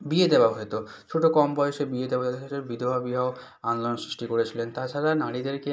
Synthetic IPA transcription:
bied̪eoaɦojt̪o | t͡ɕʰoʈokɔmbɔeʃebied̪ebaaʃebid̪ʱobabiɦao | anloonsɾiʃʈikoɾet͡ɕʰilent̪at͡ɕʰaɾanaɽid̪eɾke

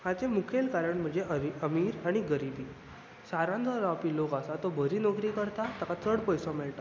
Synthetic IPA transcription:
hãt͡semukʰelkaɾəɳm̤əɳd͡zeʔəiəmiːɾaɽ̃iɡəɾibiː | saɾãnd̪ʱaɾapiːlokasat̪obʱəɾiːnɔkɾiːkəɾt̪at̪akat͡səɽpəjsɔ̃mɛɭʈa

